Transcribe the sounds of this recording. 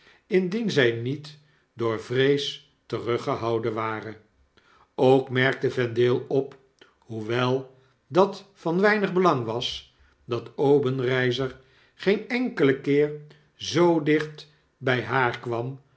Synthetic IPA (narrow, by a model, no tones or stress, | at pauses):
ɪndinzɛjnit | dʊːɹvrejs | tərøχəɦɑwdənʋaːrən | owkmɛɹk̚təvɛndɪːlˠɔp | ɦuʋɛlˠ | dɑtfɑnʋɛjnəχbəlɑŋʋɑs | dɑtowbənrɛjzəɹ | χejnɛŋkələkɪːɹ | zowdɪχt | bɛjɦaːɹkʋɑm